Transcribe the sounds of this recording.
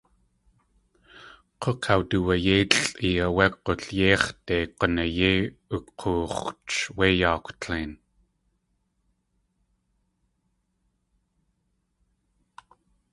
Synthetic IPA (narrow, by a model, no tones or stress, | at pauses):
qʰoqʰawtuwajeːt͡ɬɬʼiaweqoɬjeːχt̪eːqənajeːəqʰuːχt͡ʃweːjaːkʷtʰeːn